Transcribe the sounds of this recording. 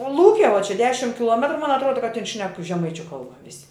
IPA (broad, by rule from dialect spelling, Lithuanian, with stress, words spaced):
oː ˈlˠuːkʲɛ ʋuɔ t͡ʃʲɛ ˈdʲæːʃʲɪm kʲɪˈlˠuɔmʲɛtrʊ mɐn ɐtˈruɔdɐ kɐt tʲɪn ʃʲnʲɛk ʒʲɛˈmɐɪt͡ʃʲʊ ˈkɐlˠbɐ ˈʋʲɪsʲɪ